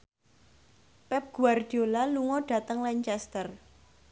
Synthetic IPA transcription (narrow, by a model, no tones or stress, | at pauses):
pɛp̚ɡ̥uard̪̥iolaluŋɔɖ̥ä̤t̪əŋlaɲt͡ʃɛst̪ər